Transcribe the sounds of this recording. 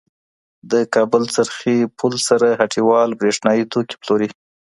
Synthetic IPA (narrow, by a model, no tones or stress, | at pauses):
d̪əkɑbʊlt͡saɾxipʰulsaɾaɦaʈʰiwɑlbɾeʂnɑjit̪oki̥ploɾi